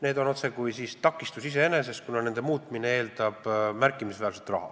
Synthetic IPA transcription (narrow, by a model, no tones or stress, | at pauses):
ne̞ːd̪o̞no̞t̪se̞kujsiːst̪ɑkːˑist̪usise̞ene̞se̞st̪̚kunɑne̞nd̪̥e̞muːt̪ˑminee̞ːld̪̥ɑb̥mærkːˑimisvæːlselt̪rɑ̰hɑ̰